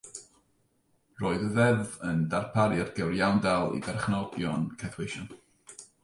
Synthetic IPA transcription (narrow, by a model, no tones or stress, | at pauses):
roːɨðəðɛðəndarpʰaɾjadɡɛwrjawndalˠḭdɛrχnɔɡjɔnkʰɛθwejʃɔn